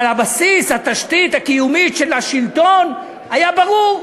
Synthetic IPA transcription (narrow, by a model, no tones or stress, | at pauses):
labasishat̪aʃt̪it̪hakijumiʃelaʃilt̪o̞n | ajabaʁuʁ